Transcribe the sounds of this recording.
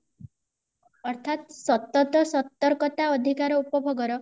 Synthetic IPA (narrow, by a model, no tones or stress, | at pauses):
ɔɾt̪ʰat̪sɔt̪ːɔt̪ɔsɔt̪ːɔɾkɔt̪aɔd̪ʱikaɾɔupɔbʱɔɡɔɾɔ